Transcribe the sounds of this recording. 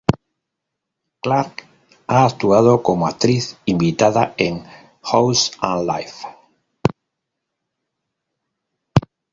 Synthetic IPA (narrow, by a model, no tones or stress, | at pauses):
klaɾk | aːkt̪uað̞okomoak̚t̪ɾiθimbit̪aðaeŋ | howsãnlajf